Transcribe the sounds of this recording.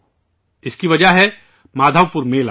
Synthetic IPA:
ɪskiʋɐd͡ʒaɦɛ | maːd̪ʱaʋpʊɾmeːla

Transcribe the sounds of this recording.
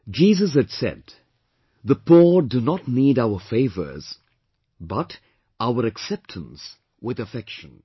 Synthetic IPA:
d͡ʒizəz̬hɨdsɛ̰d̪̚ | ðəpʰuɹdɨnətⁿniɾaʊə˞feɪvə̰˞z̥ | bʌɾ | aʊə˞ɨksɛp̚tʰə̃n̩s | wɪðɨfɛkʃɨ̃n

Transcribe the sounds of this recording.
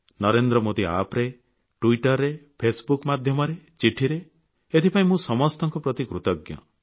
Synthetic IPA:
nɔɾend̪ɾɔmod̪ia̰pɾe | ʈuiʈɔɾːepʰesbukmad̪ʱjɔmɔɾet͡ʃiʈʰiɾe | et̪ʰipaĩmũsɔmɔst̪ɔŋkɔpɾɔt̪ikɾut̪ɔɡjɔ̰

